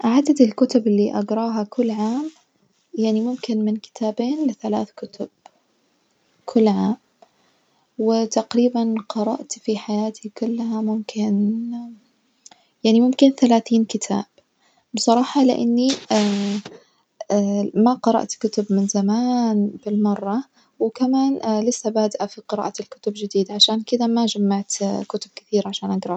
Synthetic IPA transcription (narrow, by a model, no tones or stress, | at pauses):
ʔaʕad̪ad̪ɪlkʊt̪ʊbɪlːiʔaɡɾˤɑːɦakʊlːʕaːm | jaʕnimʊmkɪnmɪnkɪ̥t̪ʰaːbeːnlɪθalaːθkʊt̪ʊb̥̚ | kʰʊlːʕaːm | wɪt̪aqɾiːbanqɑɾˤɑ̰ʔt̪fiħajaːt̪ʰikʊlːɦamʊmkʰɪn | jaʕnimʊmkɪnθalaːθiːnkɪt̪ʰa̰ːb̥ | bsˤɑɾˤɑːħɑlɪ̰ʔa̰nːia | maqɑɾˤɑ̰ʔt̪kʊt̪ʊbmɪnzamaːnb̥ɪlmɑrˤːɑ | wɪkamaːnlɪsːabaːd̪ʔafiqɨɾa̰ːʔat̪ɪlkʊ̥t̪ʊbd͡ʒɪd̪iːd̪aʕaʃaːnkɪd̪amad͡ʒamːaʕt̪kʊt̪ʊb̚kɪθiːɾʕaʃaːnʔaɡɾˤɑ